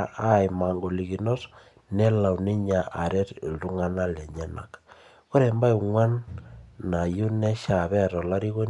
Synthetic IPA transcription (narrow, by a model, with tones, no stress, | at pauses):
a˦˨jma˨ŋɡo˨li˨ɣi˨nɔ˦s | nɛ˦la˨wni˦ɲa˨ʔa˨ɾɛ˦ɾldu˦ŋa˦na˦lɛ˨ɲɛ˦na̰˨k | ko˦ɾɛ˨mba˦jŋwa˦nː | a˨ju˦nɛ˦ʃa˨βɛ˦˨ɾɔ˨la˦ɾi˦ɣo˦n